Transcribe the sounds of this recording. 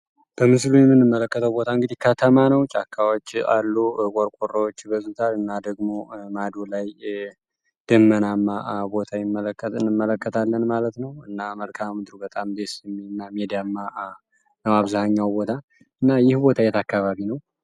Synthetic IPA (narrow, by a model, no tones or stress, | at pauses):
b̥əmɨs̬lujɛmːɨnːɨmːələkːət̪ʰəwbo̞t̪ʰaɨŋɡɨd̪ihkʰət̪ʰəmanəwt͡ʃʼakʰːawot͡ʃːa̰lːukʷʼɔɾkʷʼorːəwot͡ʃːbəzut̪ʰalɨnːad̪əɡmo̞mad̪olaj | d̪̥ɨmːənamːabo̞t̪ʰajɪmːələkʰːət̪ɨnːɨmːələkːət̪ʰalːənmalət̪nəwɨnːaməlkʰammɨd̪ɾubət̪ʼamd̪e̞sɛmːinːamed̪iamːa | nəmaβzahaɲːawbo̞t̪ʰa | ʔɨnːajɪhbo̞t̪ʰajɛt̪ʰakːaβaβinəw